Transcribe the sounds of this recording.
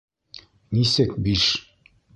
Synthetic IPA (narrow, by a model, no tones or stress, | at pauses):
nisɘkbiʃ